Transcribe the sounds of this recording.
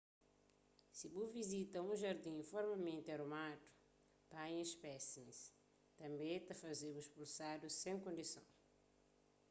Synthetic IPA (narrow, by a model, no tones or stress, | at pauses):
sibuvizit̪ɐũʒɐɾd̪ĩfɔɾmamẽnt̪eɐɾumad̪u̥ | pajẽʃpɛsimis | t̪ɐ̃mbẽt̪ɐfɐzebuiʃpulsad̪usẽŋkõnd̪isɐ̰̃w̃